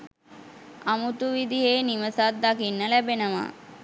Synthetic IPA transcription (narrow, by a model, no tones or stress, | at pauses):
amut̪uʋid̪iɦeːniməsat̪̚d̪akinːəlæbenəʋa̰